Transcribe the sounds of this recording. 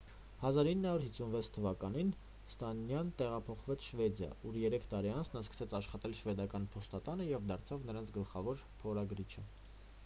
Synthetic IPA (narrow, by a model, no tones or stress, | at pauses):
hɑzɑɾinːəhɑuɾɦisunvɛt͡sʰt̪ʰəvɑkɑnin | st̪ɑnjɑnt̪ɛʁɑpʰɔχvɛt͡sʰʃvɛd̪jɑ̰uɾjɛɾɛkʰt̪ɑɾiɑnt͡sʰnɑskə̥sɛt͡sʰɑʃχɑt̪ɛlʃvɛd̪ɑkɑnpʰɔst̪ɑt̪ɑnəjɛvd̪ɑɾt͡sʰɑvnəɾɑnt͡sʰɡəlχɑvɔɾpʰɔɾɑɡɾit͡ʃʰə